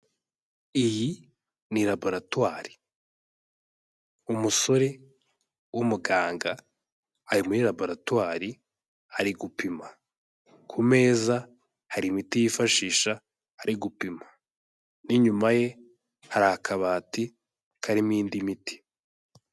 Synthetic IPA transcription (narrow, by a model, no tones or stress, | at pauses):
iji | niɾabo̞ɾatwaːɾi̥ | umuso̞ɾe̞ | wumuɡaːŋɡaː | ɾimuɾiɾabo̞ɾatwaːɾi | haɾiɡupima | kʰume̞ːza | haɾimitijifaʃiːʃa | haɾiɡupimḁ | niɲumaje̞ | haɾahːkʰaβaːti | kʰaɾimiːndimiti̥